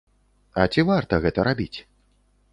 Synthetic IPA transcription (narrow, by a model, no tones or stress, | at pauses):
ɐt͡sʲivart̪ɐɣɛt̪ɐɾabʲit͡sʲ